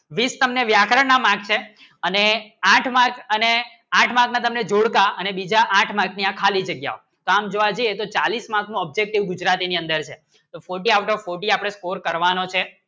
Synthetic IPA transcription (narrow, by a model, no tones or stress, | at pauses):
ʋist̪əmneʋjakɾənamãk̚t͡ʃʰe | əneãʈʰmãkʰəne | ãʈʰmãknat̪əmned͡ʒoɽkaənebid͡ʒaʔãʈʰmãkʰniãkʰalid͡ʒəɡja̰o | t̪oamd͡ʒoʋad͡ʒiet̪ot͡ʃalismãkʰnũɔb̚d͡ʒek̚ʈiʋɡud͡ʒɾat̪iniə̃nd̪əɾt͡ʃʰe | t̪ofoɾʈ̬iawʈɔʋfoɾʈiapəɽ̃eskoɾkəɾʋanot͡ʃʰe